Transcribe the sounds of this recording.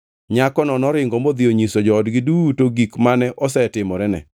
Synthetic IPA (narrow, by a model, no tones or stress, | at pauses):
ɲakɔnɔnɔɾɪŋɡɔmod̪ɪoɲisod͡ʒɔːdɡɪdutoɡikmanɛʔɔsɛtɪmɔɾɛnɛ̰